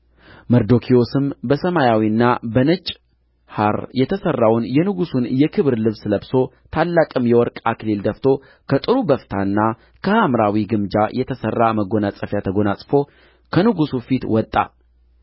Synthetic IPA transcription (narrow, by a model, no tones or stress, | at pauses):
məɾd̪o̞kʰio̞sɨmbəsəmajawinːabənɨt͡ʃʼː | haɾjɛt̪ʰəsərːawnjɛnɨɡusunjɛkʰɨβɨɾlɨβsləbso̞ | t̪ʰalːakʼɨmjɛwɔɾkʼakleld̪əft̪ʰo̞ | kʰət̪ʼɨɾubəft̪ʰanːa | kʰəhamɾawiɡɨmd͡ʒajɛt̪ʰəsərːaməɡo̞nasʼəfjat̪ʰəɡo̞nasʼfo̞ | kʰənɨɡusufit̪wɔt̪ʼːa̰